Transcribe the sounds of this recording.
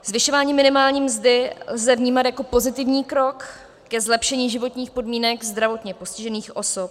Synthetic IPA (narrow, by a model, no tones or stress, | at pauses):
zvɪʃo̞vaːɲiːmɪnɪmaːlɲiːmzdɪlzɛvɲiːmat̪jako̞po̞zɪt̪ɪvɲiːkɾo̞kː | ɛzlɛpʃɛɲiːʒɪvo̞t̪ɲiːxpo̞dmiːnɛkzd̪ɾavo̞t̪ɲɛpo̞scɪʒɛniːxʔo̞sop̚